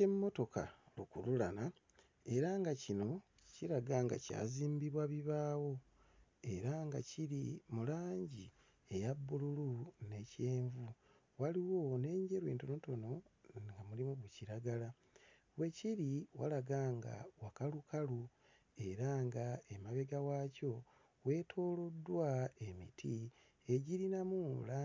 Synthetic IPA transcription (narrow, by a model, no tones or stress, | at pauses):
emmːo̞to̞ka̰lukululana | e̞ɾaŋɡacino̞ | ciɾaɡaːŋɡa̰ca̰ːziːmbiβwaβiβaːwo̞ | e̞ɾaŋɡa̰ciɾimulaːɲɟi | e̞jabːululune̞ce̞ːɱvu | waliwo̞ne̞ːɲɟe̞ɾwe̞ːntono̞to̞no̞ŋɡamulimuβuciɾaɡala | βwe̞ciɾiwa̰laɡaŋɡa̰wakalukalu | e̞ɾaŋɡae̞maβe̞ɡawaːco̞ | we̞ːtʰo̞ːlodːwae̞mḭtʰi | e̞ɟiɾinamuːla